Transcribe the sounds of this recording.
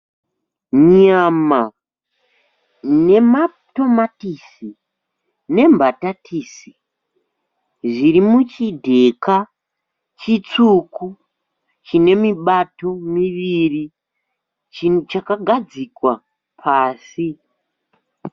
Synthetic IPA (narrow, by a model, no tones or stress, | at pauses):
ɲama | ne̞ma | to̞matisi | ne̞mbʱatatʰiːsi | ʐiɾimut͡ʃidʱe̞ka | t͡ʃit͡suku | t͡ʃine̞miɓato̞miʋiri | t͡ʃt͡ʃakaɡʱad͡zikwa | pʰaːsi